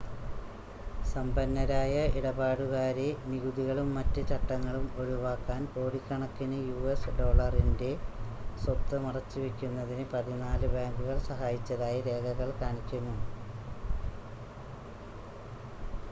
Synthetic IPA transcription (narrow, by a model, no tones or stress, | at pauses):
sɐmbɐnːɐɾaːjɐiɽɐbaːɽuɣaːɾeniɣuðiɣɐɭumːɐtːɨt͡ɕɐʈːɐŋːɐɭumo̞ɻuʋaːkːaːnpo̞ːɽikʲːɐɳɐkːinɨjuːesɖo̞ːɭɐrinde̞swɐt̪ːɨmirɐt͡ɕːɨʋekʲːunːɐðinɨpɐðinaːlɨbaːŋɡuɣɐɭsɐɦaːjit͡ɕːɐðaːjɐɾe̞ːkɐɣɐɭkaːnikʲːunːu